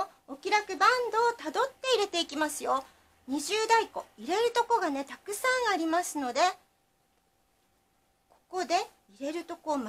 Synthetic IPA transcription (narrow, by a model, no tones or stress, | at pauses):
okʲiɾakɯ̟bãnd̪o̞ːt̪ad̪o̞t̪ːe̞iɾe̞t̪e̞ikʲimasɨjo̞ | ɲ̟iʑɨːd̪aiko̞iɾe̞ɾɯ̟t̪o̞ko̞ɡane̞t̪akɯ̟sãɰ̃aɾʲimasɨno̞d̪e̞ | ko̞̥ko̞d̪e̞ | iɾe̞ɾɯ̟t̪o̞ko̞ːm